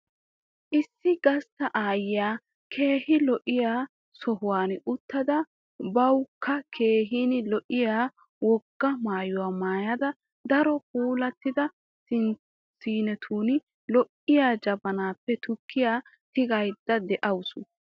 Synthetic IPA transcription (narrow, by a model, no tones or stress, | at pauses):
ʔɪsːɪɡɐst̪ːɐʔaːjɪjaː | kʰe̞ːhɪlɔʔɪjaː | sɔɦʊwaːnʊt̪ːɐd̪ɐ | bɐwkʰːɐkʰe̞ːɦiːnɪlɔʔɪjaː | wɔɡ̥ːɐmaːjʊwaːmaːjɐd̪ɐ | d̪ɐɾɔkuːlɐt̪ːɪd̪ɐ | sɪn | siːnɛt̪ʰuːnɪ | lɔʔɪjaːd͡ʒɐbɐnaːpːɛt̪ʊkʰːɪjaː | t̪ɪɡɐjd̪ːɐd̪ɛʔɐwsʊ